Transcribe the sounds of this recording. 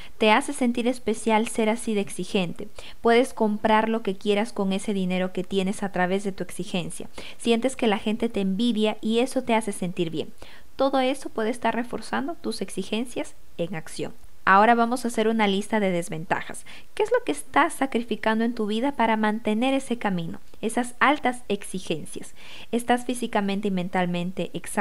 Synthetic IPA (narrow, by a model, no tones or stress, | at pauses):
t̪e̞ase̞se̞nt̪iɾe̞spe̞sjalse̞ɾasiðeksixe̞nt̪e̞ | pwe̞ðe̞sko̞mpɾaɾlo̞ke̞kje̞ɾasko̞ŋe̞se̞ðine̞ɾo̞ke̞t̪je̞ne̞sat̪ɾaβe̞zðe̞t̪ue̞ksixe̞nsja̰ | sje̞nt̪e̞ske̞laxe̞nt̪e̞t̪eːmbiðjaʔie̞so̞t̪e̞ase̞se̞nt̪iɾβje̞̰n | t̪o̞ðo̞e̞so̞pwe̞ðest̪aɾre̞fo̞ɾsand̪o̞t̪use̞ksixe̞nsjas | e̞ŋaksjo̞̰n | ao̞ɾaβamo̞sase̞ɾunalist̪aðe̞ðe̞zβe̞nt̪a̰xa̰s | ke̞ezlo̞ke̞ːst̪asːakɾifikand̪oe̞nt̪uβiðapaɾamãnt̪e̞ne̞ɾe̞se̞kamĩno̞̰ | e̞sasalt̪ase̞ksixe̞nsjas | e̞st̪asfisikamẽnt̪eiment̪almẽ̞nt̪e̞ʔeksa